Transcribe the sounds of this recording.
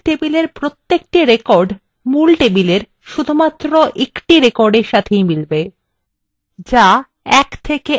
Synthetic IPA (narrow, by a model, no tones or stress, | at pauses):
ʈebileɾpɾot̪ːek̚ʈiɾekɔɾɖ | mulʈebileɾ | ʃud̪ʱumat̪ːɾoʔekʈiɾekɔɾɖeɾʃat̪ʰejmilbe | d͡ʑa | ɛkt̪ʰeke